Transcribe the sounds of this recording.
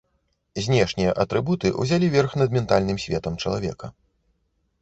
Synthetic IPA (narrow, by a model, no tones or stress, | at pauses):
zʲnʲɛʂnʲijɐʔɐt̪ɾɨbut̪ɨʔṵzʲalʲivʲɛrxnɐd̪mʲɛnt̪alʲnɨmsʲvʲɛt̪ɐmt͡ʂɐlˠavʲɛ̰kɐ